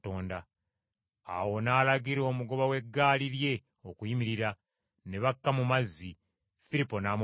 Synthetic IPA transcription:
toːnda | a̰wo̞naːlaɡiɾo̞ːmuɡo̞βawe̞ɡːaːliɾje̞ | okujimiɾiɾa | ne̞βakːamumazːi | filipo̞naːm

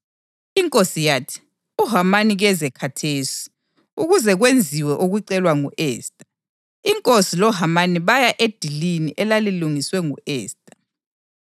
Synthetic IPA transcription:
iŋkʼosijaːtʰi̥ | uɦamaniɣɛzɛkʰatʰeːsi̥ | uɣuzɛɣwend͡zʱiwɛʔuɣuǀɛlwaŋuʔɛːstʼḁ | iŋkʼosilɔɦamaniβajaʔed̥ʱiliniʔɛlaliluŋiswɛŋuɛːstʼḁ

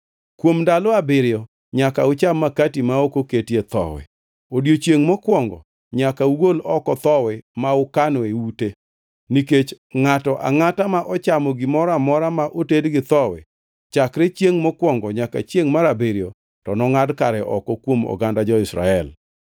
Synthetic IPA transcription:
kwomndalɔabɪɾjɔ | ɲakaʊt͡ʃamːakatimaokoketjet̪ɔ̰wɛ̰ | odjot͡ʃjeŋmɔkwɔŋɡɔ̰ | ɲakauɡolɔkɔt̪ɔwɛmaʊkanɔeute | niket͡ʃ | ŋatɔʔa̰ŋatamaʔɔt͡ʃamɔɡɪmɔɾamɔɾamaʔotedɡɪt̪ɔwɛ̰ | t͡ʃakɾet͡ʃjeŋmɔkwɔŋɡɔɲaka̰t͡ʃjeŋmaɾabɪɾjɔ | tɔnɔŋadkaɾɛʔɔkɔkwomɔ̰ɡandad͡ʒɔɪsɾa̰ɛl

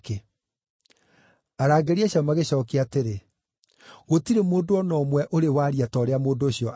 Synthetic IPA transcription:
ke | aɾaːɡeɾiaɕamaɣeɕɔːkeateɾe | ɣotiɾemoːndoɔnɔmwɛʔoɾewaːɾiatɔːɾeamoːndoːɕjɔʔ

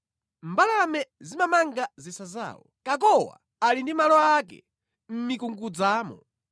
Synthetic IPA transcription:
mbalamɛzimamaŋɡazisaza̰ːwɔ̰kak̬ɔwa̰ | alindimalɔakɛ̰ | m̩mikuŋɡud͡zaːmɔ̰

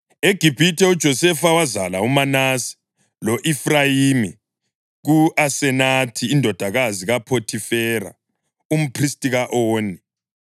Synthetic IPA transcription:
eɡ̥ʱib̥ʱitʰʼɛud̥ʒ̥ʱɔsɛfawazalaumanasi̥ | lɔʔifrajiːmi | ɣuʔasɛnatʰiːndʱɔd̥ʱaɣaziɣapʰotʰifɛːɾa̰ | um̩pʰristʼiɣaʔoːni

